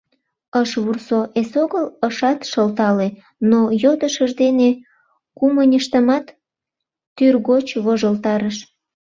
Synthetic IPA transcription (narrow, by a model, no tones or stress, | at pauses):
əʃβursoʔesoɣələʃɑt̪ʃəlt̪ɑle | nojod̪əʃəʒd̪ene | kumənʲəʃt̪əmɑt̪ː | yrɣot͡ɕβoʒəlt̪ɑɾəʃ